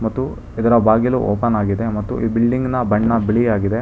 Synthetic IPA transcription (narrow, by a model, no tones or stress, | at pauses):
mɐt̪ːu | id̪ɐɾɐbaːɡilṵʔoːpɐnaːɡid̪e̞mɐt̪ːṵʔiːbilɖiŋɡnɐbɐɳːɐbiɭiaːɡid̪e̞